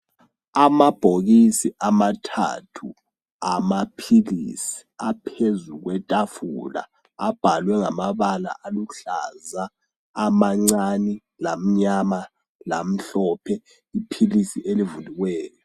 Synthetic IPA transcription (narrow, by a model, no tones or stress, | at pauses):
amab̥ʱoɣisiʔamatʰa̰tʰu | amapʰilḭsi̥apʰezuɣwɛtʼafula̰ː | b̥ʱalwɛŋamaβala̰ʔaluɬa̰zaː | maŋ͡ǀani | lam̩ɲama | lam̩ɬɔpʰɛ | ipʰilisiʔelivuliɣwɛːjɔ